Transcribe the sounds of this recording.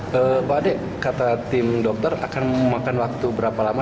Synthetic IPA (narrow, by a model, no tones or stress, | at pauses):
əbadɛʔ | kat̪at̪ɪmdɔk̚t̪ɔra̰kanəmakanwak̚t̪ubəɾapalama